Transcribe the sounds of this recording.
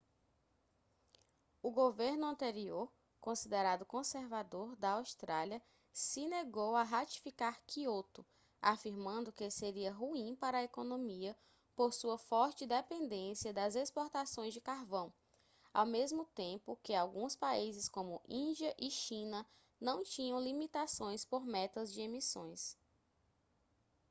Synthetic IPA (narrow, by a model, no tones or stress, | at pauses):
ʊɡoveɾnʊɐ̃nt̪eɾioɾ | kõsid̪eɾad̪ʊkõseɾvad̪oɾd̪ɐawst̪ɾaliɐ | sɪneɡowaɦat͡ʃi̥fikaɾkiot̪ʊ | afiɾmɐ̃nd̪ʊkɪeseɾiɐɦuĩpaɾɐekonõmiɐ | poɾsuɐfɔɾt͡ʃɪd̪epẽnd̪ẽsiɐd̪ɐzespoɾt̪asõj̃zd͡ʒɪkaɾvɐ̃w̃ | a̰wmezmʊt̪ẽmpʊkɪawɡũspaizɪskõmʊʔĩd͡ʒiɐʔɪʃĩnɐ | nɐ̃w̃t͡ʃĩɲɐ̃w̃limit̪asõj̃spoɾmɛt̪ɐzd͡ʒɪemisõj̃s